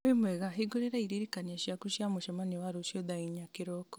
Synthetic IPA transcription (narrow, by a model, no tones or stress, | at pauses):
imweɣaɦiɡuɾeɾaiɾiɾikanaʃiakuʃjamuʃemaniwaɾuʃoðaiɲakiɾokɔ̥